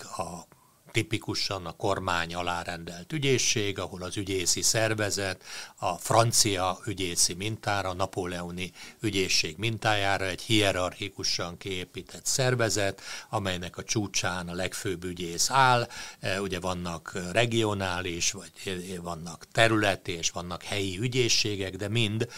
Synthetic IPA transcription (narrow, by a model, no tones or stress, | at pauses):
ɒ | t̪ipikuʃɒnɒko̞rmaːɲɒlaːɾɛnd̪ɛlt̪yɟeːʃːeːɡɒho̞lɒzyɟeːsisɛrvɛzɛt̪ɒfrɒnt̪sijɒyɟeːsimint̪aːɾɒnɒpoːlɛoniyɟeːʃːeːɡmint̪aːjaːɾɒɛɟhiɛɾɒrxikuʃɒŋkieːpiːt̪ʰɛt̪sɛrvɛzɛt̪ɒmɛjnɛkɒt͡ʃuːt͡ʃaːnɒlɛkføːbːyɟeːsaːluɟɛvɒnːɒkrɛɡio̞naːliʃʋɒɟvɒnːɒkt̪ɛɾylɛt̪ieːʃʋɒnːɒkhɛjiyɟeːʃːeːɡɛɡd̪ɛmind̪